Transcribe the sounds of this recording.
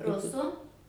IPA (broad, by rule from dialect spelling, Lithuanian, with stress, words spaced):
ˈrʊsʊ